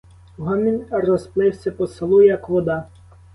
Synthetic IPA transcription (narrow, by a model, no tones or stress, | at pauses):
ɦɔmʲinʲrɔsplˠɪwsʲɐpɔsɪlˠujɐkʋɔd̪ɑ